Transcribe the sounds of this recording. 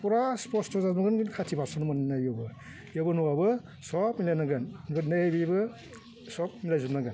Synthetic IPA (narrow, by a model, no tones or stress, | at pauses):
puɾaspɔstɔzamaɡɯnɡɯnkʰatʰibasanumananajɔbɯ | jabɯnuwabɯ | sɔpmilajnaɡɯnnbɯtnabibɯ | sɔp̚milajzunːaɡan